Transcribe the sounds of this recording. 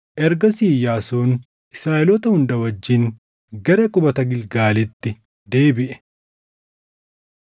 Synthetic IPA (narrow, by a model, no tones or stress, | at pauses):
ʔɛɾɡɐsiːjaːsoːn | ʔɪsɾaːɛlɔt̪ɐhʊnd̪ɐwɐd͡ʒːɪn | ɡɐɾɐkʼʊbɐt̪ɐɡɪlɡaːlɛt̪ːɪ | d̪e̞ːbɪʔɛ̥